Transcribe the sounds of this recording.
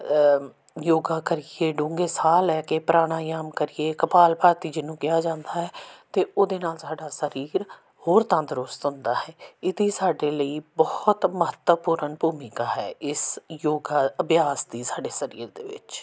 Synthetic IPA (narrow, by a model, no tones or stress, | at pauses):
joːɡaːkəɾieːɖʊ̃ːŋɡeːsaːlɛːkepɾaːɽ̃aːjaːmkəɾiːeːkəpaːlpaːɾt̪iːd͡ʒɪnũːkɪjaːd͡ʒãːnd̪aːɦɛːt̪eːoːd̪eːnaːlsaːɖaːsəɾiːɾ | hoːɾt̪ãːd̪əɾʊst̪ɦʊ̃nd̪aːɦɛːɪt̪iːsaːɖeːləiːbɔːht̪məɦət̪wəpuːɾəɳbʱuːmɪkaːɦɛ̰ːɪsjoːɡaːəbjaːsd̪iːsaːɖeːsəɾḭːɾd̪eːʋɪ̰t͡ʃ